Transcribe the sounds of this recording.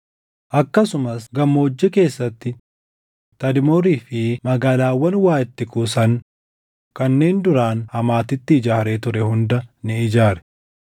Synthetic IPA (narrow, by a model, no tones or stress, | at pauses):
ʔɐkːɐsʊmɐsɡɐmːoːd͡ʒːɛke̞ːsːɐt̪ːɪ | t̪ɐd̪ɪmoːɾiːfɪmɐɡaːlaːwːɐnwaːʔɛt̪ːɪkuːsɐn | kɐnːe̞ːnd̪ʊɾaːnhɐmaːt̪ɪt̪ːɪɪd͡ʒaːɾeːt̪ʊɾɛhʊnd̪ɐnɪɪd͡ʒaːɾɛ̥